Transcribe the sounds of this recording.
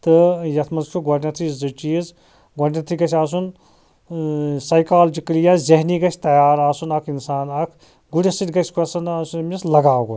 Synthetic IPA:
t̪ɨjɐt̪ʰmɐnzt͡ʃʰuɡɔɾʲnɐt̪ʰiɨt͡ʃiːz | ɡɔɽʲnɐt̪ʰiɡɐsʰʲaːs̬un | sɐjkaːld͡ʒiklijãːzeɦniɡɐt͡ʃʰʲt̪ɐjaːɾaːsunɐkʰinsaːnɐkʰ | ɡuɽʲesit̪ʲɡɐsʲkʰɐsɐnasumislɐɡaːwɡo

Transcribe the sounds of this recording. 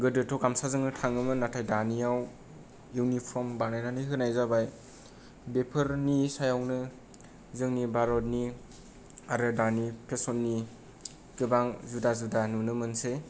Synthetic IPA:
ɡɯdɯtʰɔkamsazɯŋnɯtʰaŋɯmɯnatʰajdaniaw | juwnipʰɔmbanajnaniɦɯnajzabaj | bepʰɯɾnisajawnɯ | zɯŋnibaɾɔt̚ni | aɾɯdanipʰesɔnːi | kɯbaŋzudazudanunɯmɯnse

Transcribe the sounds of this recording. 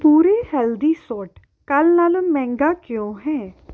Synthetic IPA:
puːɾeːhɛːld̪iːsɔːʈ | kəlnaːlõmɛ̃ːŋɡaːkjõːɦɛ̃ː

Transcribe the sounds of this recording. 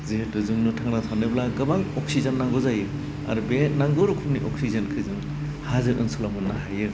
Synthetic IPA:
zehetɯzɯŋnɯtʰaŋnatʰanɯblaɡɯbaŋɔk̚sizanːaŋɡɔzajɯ | a̰ɾbenaŋɡɔɾukʰumniʔɔksizɐnkʰɯzɯŋ | hazɯʔɯnsulamɯnːaɦajɯ

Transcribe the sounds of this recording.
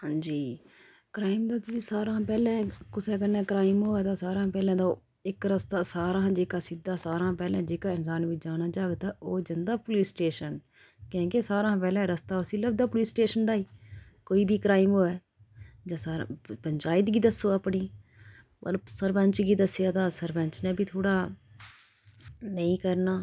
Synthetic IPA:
ɦãːd͡ʒiː | kɾaːɪmd̪aːt̪ʊiːsaːɾãːpɛːlɛ̃ːkʊsɛ̃ːkənːɛ̃ːkɾaːɪmɦoːɛːt̪aːsaːɾãːpɛːlɛ̃ːd̪a | ɪkɾəst̪aːsaːɾãːd͡ʒeːkaːsid̪aːsaːɾãːpɛːlɛ̃ːd͡ʒeːkaːɪnsaːnʋid͡ʒaːnaːd͡ʒaːɡt̪aːʔoːd͡ʒənd̪aːpʊliːsʈeːʃən | kɛ̃ːkesaːɾãːpɛːlɛ̃ːɾəst̪aːʊsiːləbd̪aːpʊliːsʈeːʃənɖaːiː | koːiːbʱiːkɾaːɪmɦoːɛː | d͡ʒãːsaːɾa̰pəɲd͡ʒaːɪt̪ɡiːd̪əsːoːapɳiː | pə̰ɾsəɾbəɲt͡ʃɡiːd̪əsjaːt̪aːsəɾbə̃ɲt͡ʃnɛ̃ːbʱiːt̪ʰoːɽaː | nəĩːkəɾnaː

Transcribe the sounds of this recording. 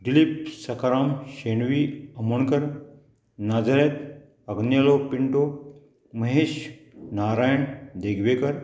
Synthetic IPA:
ɖilip̚sɐkɾaːmʃeːɳʋiːɐmuɳkɐɾ | naːd͡ʒɐɾeːt̪ | ɐɡnjɐloːpiɳʈoː | mɐɦeːʃnaːɾaːjəɳd̪eɡʱʋekɐɾ

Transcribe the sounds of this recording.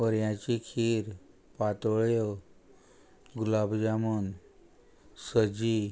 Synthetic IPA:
əɾjãt͡ɕikʰiɾ | pat̪ɭjo | ɡulabd͡ʑamən | səd͡ʑi

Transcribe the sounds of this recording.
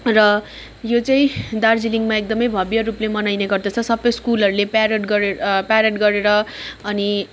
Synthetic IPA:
rʌ | jot͡saĩd̪ard͡ziliŋɡmaek̚d̪ʌmʌjbʱʌbjʌɾuplemʌnajneɡʌrd̪ʌt͡sʰʌsʌbːʌjskulʌɾulepaɾeʈɡʌɾpaɾeʈɡʌɾeɾʌʌni

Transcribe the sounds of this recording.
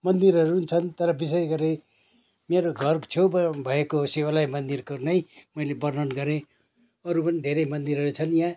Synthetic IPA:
mʌnd̪iɾɦʌɾunt͡sʰʌnt̪ʌɾʌbis̬esɡʌɾe | meɾoɡʱʌrt͡sʰjobbʱʌekosewalajmʌnd̪irkonʌjmʌjlebʌrnʌnɡʌɾe | ʌɾupʌnid̪ʱeɾʌjmʌnd̪iɾɦʌɾut͡sʰʌnjã

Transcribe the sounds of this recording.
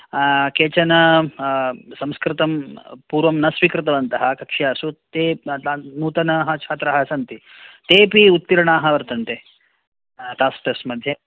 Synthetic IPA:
keːt͡ʃɐnɐ | sɐmskɾɪt̪ɐmpuːɾʋɐmnɐsʋikɾɪt̪ɐʋɐnt̪ɐɦɐ̆kɐkʂjaːsut̪eːnuːt̪ɐnaɦɐ̆t͡ʃʰaːt̪ɾɐɦɐsɐnt̪it̪eːpiut̪̚piɾɐɳaːɦɐ̆ʋɐɾt̪ɐnt̪e | t̪aːsʈɐsmɐd̪ʱjɐ

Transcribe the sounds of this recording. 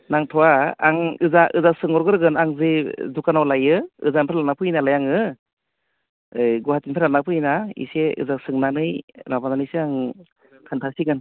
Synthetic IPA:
naŋtʰɔwaa̰ŋɯzaʔɯzak̚sɯŋɔɾɡɯɾɯɡɯnaŋzɯzukanawlajɯɯ̰zanpʰaɾlanapʰɯinalajaŋɯ | ɯjɡɔhatinpʰaɾlanapʰɯinaḭseɯ̰zak̚sɯŋnanɯjnabananɯsɯaŋ | tʰɯntʰasiɡɯn

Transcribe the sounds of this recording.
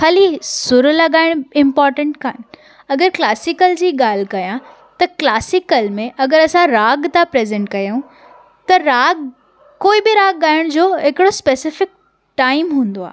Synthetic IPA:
xaːlisʊɾlɐɠaːɪɽ̃ɪ̃mpɔːɾʈə̃ɳʈkaːnɪ̆ | ɐɡəɾklaːsɪkəld͡ʑiːɠaːl̤kɐjã | t̪ɐklaːsɪkəlmẽʔɐɡəɾɐsãɾaːɡt̪apɾeːzẽɳʈkɐjũ | t̪ɐɾaːɡ̚ | koːibɪɾaːɡ̚ːaːɪɽ̃d͡ʑoːɦɪkɪɽospeːsɪfɪk̚ | ʈaːɪmɦũːnd̪oa̰ː

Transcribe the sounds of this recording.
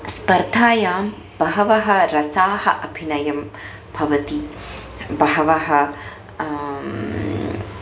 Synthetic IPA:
spɐɾd̪ʱaːjaːm | bɐɦɐʋɐɦɐ̆ɾɐsaːhɐ̰ʔɐbʱinɐjɐm | bʱɐʋɐt̪i | bɐɦɐʋɐɦɐ

